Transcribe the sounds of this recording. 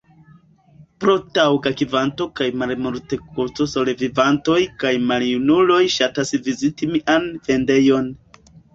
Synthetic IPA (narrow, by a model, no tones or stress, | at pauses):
pɾotawɡakivanto̞kajmalmoɾte̞kut͡so̞so̞levivanto̞jkajmaljunulo̞jʃatasvizitimiʔanve̞nde̞jo̞n